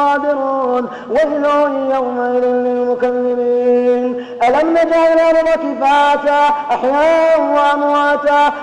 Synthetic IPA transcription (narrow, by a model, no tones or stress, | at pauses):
ɑːd̪ɪɾuːn | waʔɪlaːɪjawmaʔɪlɪnɪlmʊkalːɪmiːn | ʔalamnad͡ʒaʕɪlanɪɾɑkɪfaːt̪aʔaħjaːʔanwaʕamwaːt̪a